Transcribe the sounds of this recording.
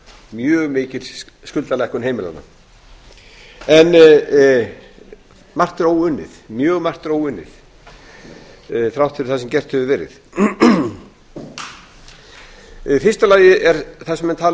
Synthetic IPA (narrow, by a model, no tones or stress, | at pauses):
mjœːɣmɪːcɪl | skʏlt̪alɛhkʏnɦeːjmɪla̰na̰ | ɛn | mar̥t̪ɾoːwʏnːɪ̰θmjœːɣmar̥t̪ɾoːwʏnːɪ̰θ | θɾawht̪fʰɪɾɪ̥ɾθasɛmcɛr̥t̪hœvʏvɛːɾɪ̰θ | fɪrst̪alaːjɪʔɛɾθɛ̥sɛmɛnt̪ʰaːl